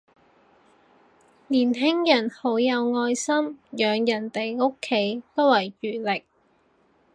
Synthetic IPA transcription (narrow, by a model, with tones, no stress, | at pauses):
liː˨˩nɦɪ˥ŋjɐ˨˩nho˨˥wjɐ˨˧wŋɔː˧jsɐ˥mjœː˨˧ŋjɐ˨˩nt̪e˨jŋo˥kʰːe˨˥jt̪o˥wɐ˨˩jɥyː˨˩lɪ˨k̚